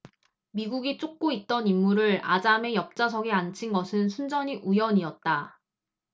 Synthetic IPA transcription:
miɡuɡit͡ɕ͈ok̚k͈oit̚t͈ʌnimːuɾɯɾa̰d͡ʑame̞jʌp̚t͡ɕ͈asʰʌɡeant͡ɕʰinɡʌsʰɯnsʰund͡ʑʌɲiʔujʌɲiʌt̚t͈a

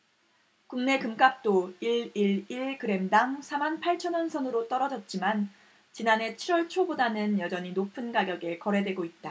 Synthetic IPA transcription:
kuŋne̞kɯmk͈ap̚t͈oiɭiɭiɭkɯɾe̞mdaŋsʰamanpʰaɭt͡ɕʰʌnʌnsʰʌnɯɾot͈ʌɾʌd͡ʑʌt̚t͡ɕ͈iman | t͡ɕinanɦe̞t͡ɕʰiɾwʌɭt͡ɕʰobodanɯnjʌd͡ʑʌɲinopʰɯnɡaɡjʌɡe̞kʌɾe̞dweɡoit̚t͈a

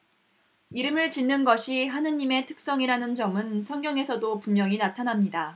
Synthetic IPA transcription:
iɾɯmɯɭt͡ɕinːɯnɡʌɕʰiɦanɯɲːime̞tʰɯk̚s͈ʌŋiɾanɯnd͡ʑʌmɯnsʰʌŋɡjʌŋe̞sʰʌdopumjʌŋinatʰanɦamɲida

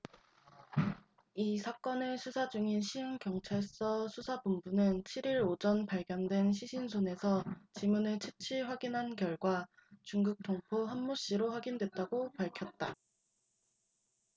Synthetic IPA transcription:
isʰak͈ʌnɯsʰusʰad͡ʑuŋinɕʰiɯnkjʌŋt͡ɕʰaɭs͈ʌsʰusʰabumbunɯnt͡ɕʰiɾiɾod͡ʑʌnpaɭɡjʌndwe̞nɕʰiɕʰinsʰone̞sʰʌt͡ɕimunɯɭt͡ɕʰɯ̥t͡ɕʰiɸwaɡinɦankjʌɭɡwat͡ɕuŋɡuk̚tʰoŋpʰoɦammoɕ͈iɾoɸwaɡindwe̞t̚t͈aɡopaɭkʰjʌt̚t͈a

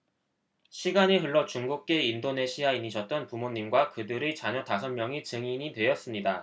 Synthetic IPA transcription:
ɕʰiɡaneɦɯɭːʌt͡ɕuŋɡuk̚k͈e̞indone̞ɕʰiainiɕʰʌt̚t͈ʌnpumoɲːimɡwakɯdɯɾet͡ɕaɲʌtasʰʌnmjʌŋit͡ɕɯŋiɲidwe̞jʌs͈ɯmɲida

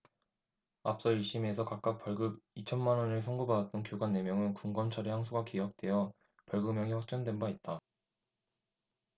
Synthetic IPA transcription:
ap̚s͈ʌiɭɕ͈ʰimesʰʌkak̚k͈ak̚p͈jʌɭɡɯbit͡ɕʰʌnmanʌnɯɭsʰʌŋɡobadat̚t͈ʌnkjoɡanːe̞mjʌŋɯnkuŋɡʌnt͡ɕʰaɾehaŋsʰuɡakijʌk̚t͈we̞jʌ | pjʌɭɡɯmjʌŋiɸwak̚t͡ɕ͈ʌndwe̞nbait̚t͈a

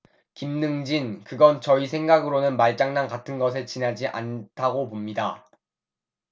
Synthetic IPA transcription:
kimnɯŋd͡ʑinkɯɡʌnt͡ɕʌisʰe̞ŋɡaɡɯɾonɯnmaɭt͡ɕ͈aŋnaŋkatʰɯnɡʌs̬ʰet͡ɕinad͡ʑiʔa̰ntʰaɡopomɲida

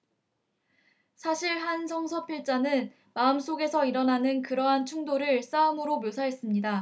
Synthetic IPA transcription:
sʰaɕʰiɭɦansʰʌŋsʰʌpʰiɭt͡ɕ͈anɯn | maɯms͈oɡe̞sʰʌiɾʌnanɯnkɯɾʌɦant͡ɕʰuŋdoɾɯɭs͈aɯmɯɾomjosʰaɦe̞s͈ɯmɲida

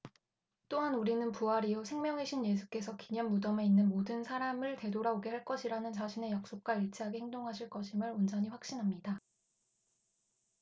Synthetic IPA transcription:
t͈oɦanuɾinɯnpuaɾiosʰe̞ŋmjʌŋɦe̞ɕʰinje̞sʰu̥k͈e̞sʰʌkiɲʌnːudʌme̞inːɯnmodɯnsʰaɾamɯɭte̞doɾaoɡe̞ɦaɭk͈ʌɕʰiɾanɯnt͡ɕaɕʰine̞jak̚s͈ok̚k͈waiɭt͡ɕʰeɦaɡe̞heŋdoŋɦaɕʰiɭk͈ʌɕʰimɯɭond͡ʑʌɲiɸwak̚ɕ͈inɦamɲida

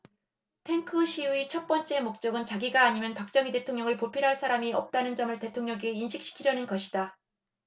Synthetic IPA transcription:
tʰe̞ŋkʰɯɕʰiuit͡ɕʰʌt̚p͈ʌnt͡ɕ͈e̞mok̚t͡ɕ͈ʌɡɯnt͡ɕaɡiɡaːɲimjʌnpak̚t͡ɕ͈ʌŋide̞tʰoŋɲʌŋɯɭpopʰiɾɦaɭs͈ʰaɾamiʌp̚t͈anɯnd͡ʑʌmɯɭte̞tʰoŋɲʌɡiːnɕʰik̚ɕ͈i̥kʰiɾjʌnɯnɡʌɕʰida

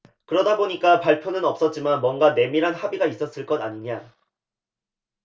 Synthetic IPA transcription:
kɯɾʌdaboɲik͈apaɭpʰjonɯnʌps͈ʌt̚t͡ɕ͈imanmwʌnɡane̞miɾɦanhabiɡais͈ʌs͈ɯɭk͈ʌdaɲiɲa

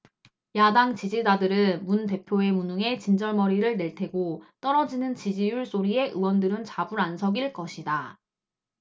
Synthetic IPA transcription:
jadaŋt͡ɕid͡ʑid͡ʑadɯɾɯnmunte̞pʰjoe̞munuŋe̞t͡ɕind͡ʑʌɭmʌɾiɾɯɭne̞ɭtʰe̞ɡot͈ʌɾʌd͡ʑinɯnt͡ɕid͡ʑijuɭs͈oɾie̞ʔɯwʌndɯɾɯnt͡ɕabuɾansʰʌɡiɭk͈ʌɕʰida

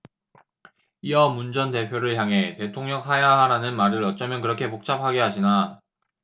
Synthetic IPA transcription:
iʌmund͡ʑʌnte̞pʰjoɾɯɭçjaŋɦe̞te̞tʰoŋɲʌŋɦajaɦaɾanɯnmaɾɯɾʌt̚t͡ɕ͈ʌmjʌnkɯɾʌkʰe̞pok̚t͡ɕ͈ap̚ʰaɡeɦaɕʰina

